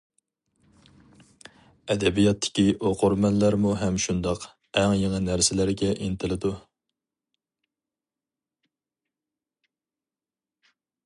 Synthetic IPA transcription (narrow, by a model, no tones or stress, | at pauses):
ɛd̪ɛbijɑt̪ʰːɪ̥kʲiʔoqʰʊɾmɛnlæɾmuɦɛmʃund̪ɑq | ɛŋjeŋənæɾsɪlæɾɡʲɛʔint̪ʰɪlɪd̪u